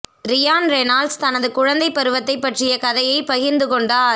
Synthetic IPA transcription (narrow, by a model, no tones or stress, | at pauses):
ɾɪjaːnɾenaːlst̪ɐnɐðɯkʊɻɐnd̪ɐɪpːɐɾɯʋɐt̪ːɐɪpːɐʈrɪjɐkɐðɐjɐɪpɐɣɪɾnd̪ɯkɔɳɖaː